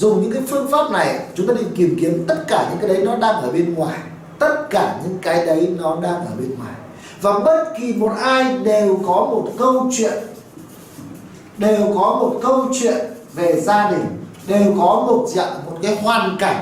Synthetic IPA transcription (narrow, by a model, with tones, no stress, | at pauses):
zʊ˨˩ŋ͡mɲɨ̰˧˥ŋkaː˨˦jfɨ˧əŋfaː˦˥p̚na˨˩jt͡ɕʊ˨˦ŋ͡mt̪aː˧˩˦i˧˩ŋki˧˩əmki˨˦ənt̪ə˦˥t̚kaː˧˩ɲɨ̰˧˥ŋkaː˨˦jɗə˨˦jnɔ˨˦ɗaː˧ŋʔəː˧˩ɓe˧nŋwaː˨˩j | t̪ə˦˥t̚kaː˧˩ɲɨ̰˧˥ŋkaː˨˦jɗə˨˦jnɔ˨˦ɗaː˧ŋʔəː˧˩ɓe˧nŋwaː˨˩j | vaː˨˩ɓə˦˥t̚ki˨˩mo˨˩t̚ʔaː˧jɗe˨˩wkɔ˨˦mo˨˩t̚kə˧wt͡ɕwḭ˧˨ən | ɗe˨˩wkɔ˨˦mo˨˩t̚kə˧wt͡ɕwḭ˧˨ən | ve˨˩zaː˧ɗï˨˩ŋ̟ | ɗe˨˩wkɔ˨˦mo˨˩t̚t͡ɕə̰˧˨ʔmo˨˩t̚kaː˨˦jɦwaː˨˩nka˨˧˩jŋ̟